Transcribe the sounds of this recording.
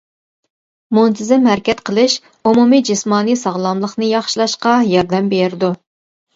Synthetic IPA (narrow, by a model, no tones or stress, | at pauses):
munt̪ʰɪzɪmhæɾkʲɛt̪qʰəlˠɨʃ | umumid͡ʒɪsmɑːnisɑʁlˠɑmlˠəχnɨjɑχʃilˠɑʃqɑjɑɾd̪ɛmbeɾɪd̪u